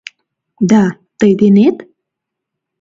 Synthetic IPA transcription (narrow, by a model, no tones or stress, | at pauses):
d̪a | t̪əjd̪enet̪